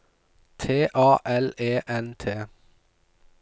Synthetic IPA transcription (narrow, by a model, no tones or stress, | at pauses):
t̪ʰeːʔɑːʔɛleːʔɛnt̪ʰeː